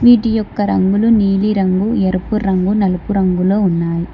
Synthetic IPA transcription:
ʋiːʈijɔkːɐɾɐŋɡɯlɯniːliɾɐŋɡɯɛɾɯpːɯɾɐŋɡɯnɐlɯpːɯɾɐŋɡɯloːʊnːaːj

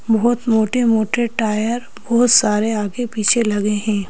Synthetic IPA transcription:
bɔɦt̪moːʈemoːʈeʈaːjəɾ | bɔɦʊt̪saːɾeaːɡepiːt͡ʃʰelɐɡeɦɛ̃ː

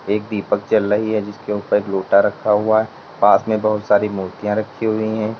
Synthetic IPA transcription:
eːk̚d̪iːpək̚d͡ʒəlːəɦiɦɛd͡ʒɪskeʊpəɾloːʈaɾɐkʰaɦʊaɦɛ | paːsmẽbɐɦʊt̪saːɾimuːɾt̪ijãɾɐkʰːiɦʊiɦɛ̃ː

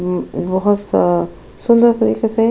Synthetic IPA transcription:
bɔɦɔt̪ | sʊnd̪əɾt̪ɐɾḭːkese

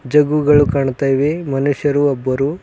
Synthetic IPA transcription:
d͡ʒɐɡuɡɐɭukaːɳt̪aːjʋemɐnuʂjɐɾuɔbːɐɾu

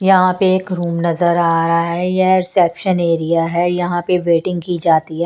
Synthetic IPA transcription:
jɐɦãpeeːkɾuːmnɐzəɾaːɾaɦɛjɛɾsɛːpʃəneːɾijaɦɛjɐɦãpeʋeːʈɪ̃ŋɡ̚kiːd͡ʒaːt̪iɦɛː

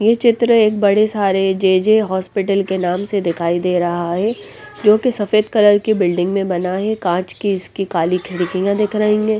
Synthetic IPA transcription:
jet͡ʃɪt̪ɾəeːk̚bɐɽesaːɾed͡ʒeːd͡ʒeɦɔːspɪʈəlkenaːmsed̪ɪkʰaːid̪eːɾɐɦaɦɛ | d͡ʒoːkesɐfeːd̪kɐləɾkibɪlɖɪ̃ŋɡmẽbɐnaɦɛkãːt͡ʃkiɪskikaːlikʰɪɽɪkijãd̪ɪkʰɾəɦĩŋɡeː

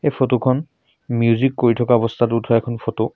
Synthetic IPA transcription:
ejpʰotokʰɔn | miuzikːoɹitʰɔkaɔbɔstʰatutʰɔɛkʰɔnpʰoto

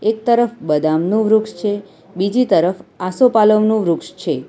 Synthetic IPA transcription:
ek̚t̪əɾəfbəd̪amnũʋɾukʂt͡ʃʰe | bid͡ʒit̪əɾəfasopaləʋnũʋɾʊkʃt͡ʃʰe

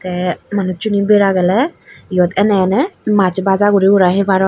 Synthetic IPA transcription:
t̪ɛmanut͡ʃunibeɾaɡɛlɛjɔt̪ɛnɛnɛmat͡ʃbazaɡuɾiuɾaɦebaɾɔ

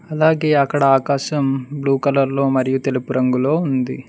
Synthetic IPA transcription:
ɐlaːɡe̞ːɐkːɐɽɐaːkaːʃɐmbluːkɐlɐɾlo̞ːmɐɾijut̪e̞lupuɾɐŋɡulo̞ːund̪ḭ

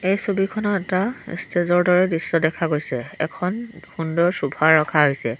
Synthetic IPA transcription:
ejsobikʰɔnɔɛta̰stezɔɹdɔɹɛdisːɔdɛkʰaɡojsɛɛ̰kʰɔnhundɔɹsubʱaɹɹɔkʰaɦojsɛ

